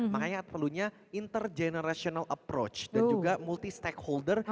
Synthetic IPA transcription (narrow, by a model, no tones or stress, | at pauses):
makaɲat̪pəluɲa | int̪ərd͡ʒenəɾasionalʔəpɾo̰t͡ʃd̥and͡ʒuɡamult̪ist̪ɛkholdər